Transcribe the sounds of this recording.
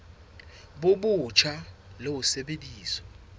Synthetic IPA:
ɓoɓut͡ʃʰalowusɛɓediːsɔ̥

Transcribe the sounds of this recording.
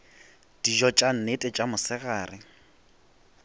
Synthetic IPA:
d̥id͡ʒɔt͡ʃʼan̩netʼɛt͡ʃʼamʊsɪɣaːrɪ

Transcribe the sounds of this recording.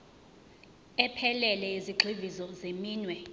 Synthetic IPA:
ɛpʰɛlɛlɛiziɡ͡ǃʱivizɔzemiːnwɛ

